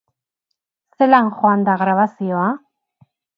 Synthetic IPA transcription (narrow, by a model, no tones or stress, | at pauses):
se̞laŋxoand̪aɣɾaβasio̞a